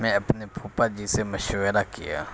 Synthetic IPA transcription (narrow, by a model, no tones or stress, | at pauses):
mɛ̃ɐpnepʰuːpad͡ʒisemɐʃwəɾakija̰ː